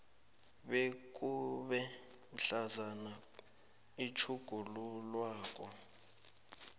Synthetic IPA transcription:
ɓek̬ʼuɓɛ | m̩ɬazana | it͡ʃʰuɡ̥ʱululwaːk̬ʼɔ

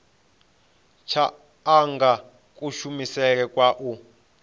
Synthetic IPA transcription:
t͡ʃʰaː | ŋɡa | kʼuʃumisɛk̬ɛkʼwaʔu

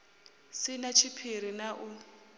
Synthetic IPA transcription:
sɪnat͡ʃʰipʰir̤inaʔʊ

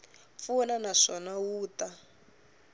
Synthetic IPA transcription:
funanaʂɔnawuːt̪a

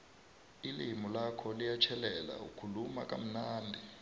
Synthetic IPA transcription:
ilimulakʰɔlijat͡ʃʰɛlɛla̰ṵkʰuluma̰k̬ʼa̰m̩naːndʱɛ

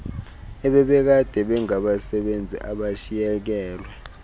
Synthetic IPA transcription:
ɛɓɛɓɛk̬ad̥ʱɛɓɛŋaɓasɛɓend͡zʱḭʔaɓaʃijɛk̬ɛːla

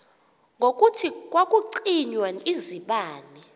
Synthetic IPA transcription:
ŋɡʱokʼutʰikʼwakʼuǀiɲwaiziɓaːni

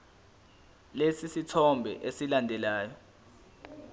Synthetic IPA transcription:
lesisitʰɔmbʱɛ̰ʔesilandʱɛlaːjɔ

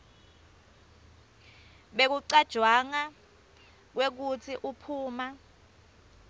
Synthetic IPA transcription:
ɓek̬uǀad̥ʒ̥ʱwaŋa | k̬wek̬ut͡sʰiʔupʰuːma

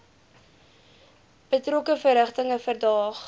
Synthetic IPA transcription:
b̥ətrokəfərəχtəŋəfərdɑːχ

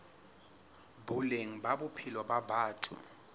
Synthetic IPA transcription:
buleŋ̩baɓupʰilɔɓabaːtʰṵ

